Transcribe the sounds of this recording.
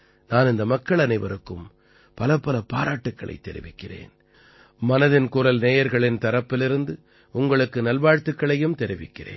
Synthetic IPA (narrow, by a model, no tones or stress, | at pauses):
naːnɪnd̪ɐmɐkːɐɭɐnɐɪʋɐ̰ɾɯkːɯm | pɐlɐpːɐlɐpaːɾaːʈːɯkːɐɭɐ̰ɪt̪ːɛɾɪʋɪkːɪrḛːn | mɐnɐðɪnkuːɾɐlneːjɐɾɣɐɭɪnt̪ɐɾɐpːɪlɪɾɯnd̪ɯ | ʊŋɡɐɭɯkːɯnɐlʋaːɻt̪ːɯkːɐɭɐjɯmt̪ɛɾɪʋɪkːɪrḛːn